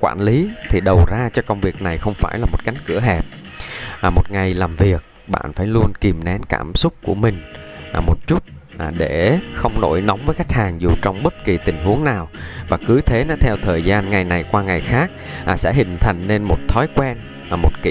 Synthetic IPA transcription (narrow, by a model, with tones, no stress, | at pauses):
kwa̰ː˧˩nli˨˦t̪ʰi˨˩ɗə˨˩wzaː˧t͡ɕɔ˧kə˧wŋ͡mvi˨˩ək̚na˨˩jxə˧wŋ͡mfaː˧˩jlaː˨˩mo˨˩t̚ka˨˦jŋ̟kɨ̰˧˩əɦɛ˨˩p̚ː | mo˨˩t̚ŋa˨˩jlaː˨˩mvi˨˩ək̚ | ɓa̰ː˧˨nfaː˧˩jlu˧ənki˨˩mnɛ˨˦nka̰ː˧˩msʊ˦˥k͡p̚ku˧˩əmï˨˩ŋ̟˨˩mo˨˩t̚t͡ɕu˦˥t̚ɗe˧˩xə˧wŋ͡mno̰˧˥jnɔ˨˦wŋ͡mvəː˨˦jxa˦˥jk̟̚haː˨˩ŋzu˨˩t͡ɕɔ˧wŋ͡mɓə˦˥t̚ki˨˩t̪ï˨˩ŋ̟ɦu˨˦əŋnaː˨˩wvaː˨˩kɨ˨˦t̪ʰe˨˦nɔ˨˦t̪ʰɛ˧wt̪ʰəː˨˩jzaː˧nŋa˨˩jna˨˩jkwaː˧ŋa˨˩jxaː˦˥k̚ːsɛ̰˧˥ɦï˨˩ŋ̟t̪ʰa˨˩jŋ̟ne˧nmo˨˩t̚t̪ʰɔ˨˦jkwɛ˧n˨˩ | mo˨˩t̚kḭ˧